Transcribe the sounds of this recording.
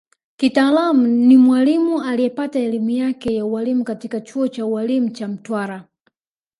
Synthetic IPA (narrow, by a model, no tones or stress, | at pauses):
kitaːlamunimwalimualijɛpataɛlimujakɛjaualimukatikat͡ʃuɔt͡ʃaualimut͡ʃam̩twaɾa